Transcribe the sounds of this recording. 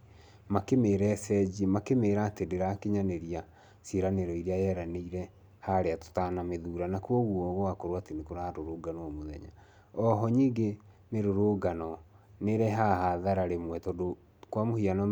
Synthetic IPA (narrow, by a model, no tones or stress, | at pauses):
makemeːɾɛsɛd͡ʑimakemeːɾatedeɾakeɲaneɾia | seɾaneɾɔiɾeajɛɾaneiɾɛ | haɾeato̥tanameðuɾanakuɔɣwɔɣwakoɾwatenekoɾaaɾoɾoɡanɔɔmoðɛ̰ɲa̰ | ɔɦɔɲiɡe | meɾoɾoɡanɔneɾɛɦaɦaðaɾaɾemwɛtɔdo | kwamohianɔ